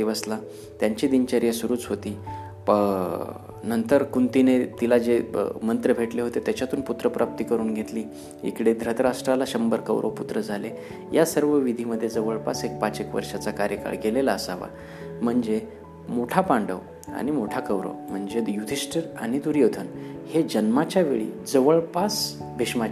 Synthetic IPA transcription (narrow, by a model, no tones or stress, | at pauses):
iʋəsla | t̪jaɲt͡ɕiːd̪iɲt͡ɕaɾijasuɾuːt͡sɦot̪iː | nənt̪əɾkunt̪inet̪ilad͡ʑemənt̪ɾəbʱeʈleɦot̪et̪jat͡ɕjat̪uːnput̪ɾəpɾʔap̚t̪iːkəɾuːnɡʱet̪liː | ḭkɽed̪ʱɾət̪ɾaʂʈɾalaɕəmbəɾkəʋɾʔo̰put̪ɾəd͡zʱale | jasəɾʋəʋid̪ʱiməd̪ʱːjed͡zəʋəɭpasek̚pat͡sekʋə̰ɾʂat͡sakaɾjəka̰ɭɡelelaəsaʋa̰ | m̤əɳd͡ze | moʈʰapaɳɖəʋ | a̰ɽ̃imoʈʰakəʋɾo̰m̤əɳd͡zejut̪ʰisʈəɾañid̪uɾjot̪ʰənhed͡ʑənmat͡ɕjaʋeɭḭd͡zəʋəɭpas | bʱeʂmat͡ɕi